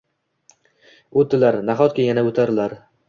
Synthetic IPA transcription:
od̪ɪlaɾnaɦɒt̪̚kʲajanaot̪ʰaɾɪlaɾ

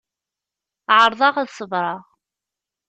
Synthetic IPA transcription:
ʕəɾˤðˤɑʁæðsˤəvɾˤɑʁ

